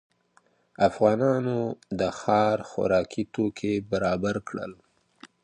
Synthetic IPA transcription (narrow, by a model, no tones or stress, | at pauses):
afɣɑnɑnod̪əxɑɾxa̰ɾɑkʰit̪okʰebaɾɑbaɾkɽə̰l